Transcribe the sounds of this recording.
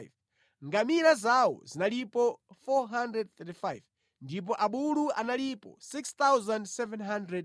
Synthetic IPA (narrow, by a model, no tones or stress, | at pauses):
v | ŋɡamiɾazawɔ̰zinalipɔfɔɦandɾɛd̚θɛtifajv | ndip̬ɔʔaɓulua̰nalipɔ̰sikst̪awzandsɛvɛnɦandɾɛd̚